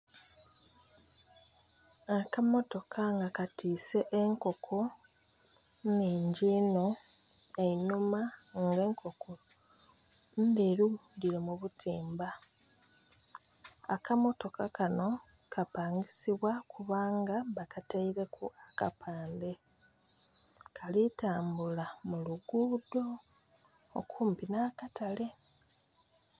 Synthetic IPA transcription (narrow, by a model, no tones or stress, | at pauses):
akamo̞to̞kʰaŋɡakatiːse̞ʔeŋko̞kʰo̞ | neɲɟino | einumaŋɡeːŋkʰo̞kʰo | ndeɾuliɾomuβutʰiːmba | akamo̞to̞kakano̞ | kʰapaːŋɡisiβwakʰuβaːŋɡaβakataiɾe̞kʰuaka̰pʰaːnde̞ | kʰalitaːmbulamuluɡuːdo̞̰ː | kʰuːmpinaːkatale̞